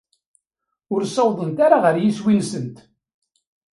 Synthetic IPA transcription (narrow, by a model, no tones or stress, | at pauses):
ʊɾsˤɑwðˤənt̪aɾaʁəɾjiswinsənt̪